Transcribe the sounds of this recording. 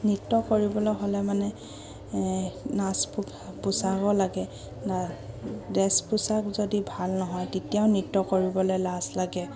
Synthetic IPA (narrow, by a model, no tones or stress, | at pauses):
nitːɔkoɹibɔlɔjɦolɛmanɛ | naspu | pusaɡɔlaɡɛ | na | dɛspusakzodibʱalnɔɦɔjtetijaʊnitːɔkoɹibɔlojlaslaɡɛ